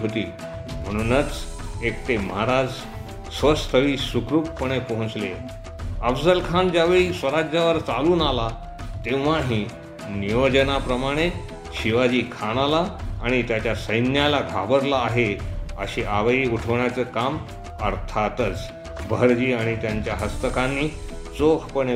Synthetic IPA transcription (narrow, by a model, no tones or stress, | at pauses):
ɦot̪iː | m̤əɽ̃unət͡sekt̪emaɦɾad͡z | sʋəst̪ʰəʋiːsukɾuːppəɽ̃epəɦũt͡sle | əfsəlkʰand͡ʑjaʋeɭiːsʋəɾad͡ʑjaʋəɾt͡saluːnala | t̪ẽʋʋaɦĩ | niʋəd͡ʑənapɾəmaɽ̃e | ɕiʋad͡ʑiːkʰaɽ̃alaːɽ̃it̪jat͡ɕjasəjnjalaɡʱabəɾlaːɦeəɕiʔaʋəiːuʈʰəʋɳjat͡səkam | əɾt̪ʰat̪ət͡s | bʱəɾd͡ʑiːaɽ̃it̪jaɲt͡ɕjaɦəst̪əkãnːiː | t͡sokʰpəɽ̃e